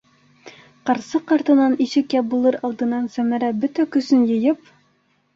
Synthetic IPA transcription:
qɑɾsɤqɑɾt̪ɤ̆nɑniɕɘkjæbulˠɤɾɑlˠd̪ɤ̆nːɑnsæmæɾæbɵt̪ækɵ̆sɵnjɤ̆jɤp

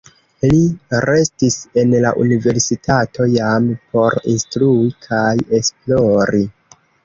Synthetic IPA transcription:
liɾe̞stise̞nla̰ʔṵnive̞ɾsitʰato̞jampo̞ɾḭnstɾuikʰaje̞splo̞ɾi

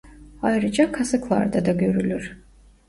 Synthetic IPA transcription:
ajɾɯd͡ʒakʰasɯkʰlˠa̰ɾd̪ad̪aɡø̞ɾylʲyɾ̥

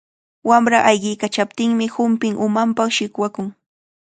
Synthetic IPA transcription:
wamɾaʔajɢɪjkat͡ʃap̚t̪ɪŋmɪhʊmpɪŋʔʊmampaχʃɪkwakʊŋ

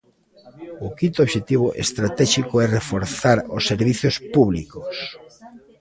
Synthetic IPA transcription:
ʊkĩnt̪oβʃet̪iβ̞oʔḛst̪ɾat̪ɛʃikoɛrefoɾθaɾosːeɾβiθjospuβlḭkos

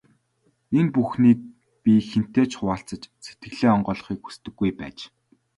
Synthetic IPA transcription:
enpuxniːt̚ | pʲixen̥t̪eːt͡ɕχʊaːɬt͡sə̆t͡ɕset̪ɡɘ̆ɣɮeːɔɴɢœːɮɞ̆χiːku̥st̪ɘ̆ɡːujpæ̰ːt͡ɕ

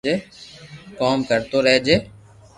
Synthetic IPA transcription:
eː | kaːmkəɾt̪oːɾəɦed͡ʒeː

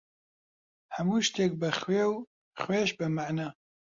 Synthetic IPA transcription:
hɛmuːʃt̪eːk̚bɨxweːw | xweːʃbɨmaʕnaː

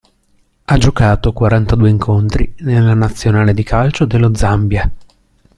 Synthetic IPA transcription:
ad͡ʒokaːt̪okwaɾant̪ad̪uːeiŋkʰont̪ɾinelːanat̪sːjonaːled̪ikʰalt͡ʃod̪elːod̪zambja

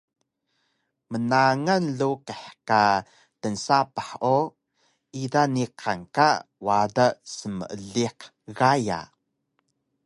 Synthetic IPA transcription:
mənaŋanɮukeħka | tənsapaħʔo | ʔidaniqankawadasəmə̰ʔəɮiq | ɣaja̰

